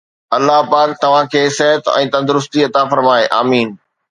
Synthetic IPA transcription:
ɐlːaɦpaːkt̪ɐʋ̤ãkʰeːsɛɦət̪ɛ̰̃ːt̪ɐ̃nd̪ʊɾʊst̪iɐt̪afɐɾmaːeʔaːmiːn

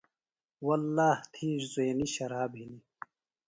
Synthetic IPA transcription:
wɐlːaːht̪ʰiːɾzueːniɕɐɾaːbɦili

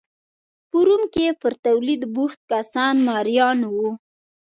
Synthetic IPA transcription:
puɾumkepəɾt̪awlid̪buxt̪̚kasɑnmɑɾjɑnwu

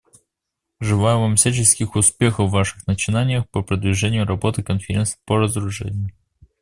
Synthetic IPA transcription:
ʐɨlˠajʊvamfsʲæt͡ɕɪskʲɪxʊspʲexəvːaʂɨxnət͡ɕɪnanʲɪjəxpəpɾəd̪vʲɪʐɛnʲɪjʊɾɐbo̞t̪ɨkənfʲɪɾʲensɨ̥pəɾəzɾʊʐɛ̰nʲɪjʊ

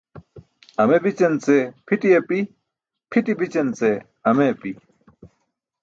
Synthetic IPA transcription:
ɐmebit͡ɕɐnt͡sepʰiʈijepi | pʰiʈibit͡ɕɐnt͡se | ɐmepi

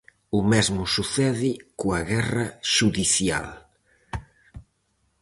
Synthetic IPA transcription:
ʊmɛzmʊsuθɛðɪkoaɣɛrɐʃuðiθja̰l

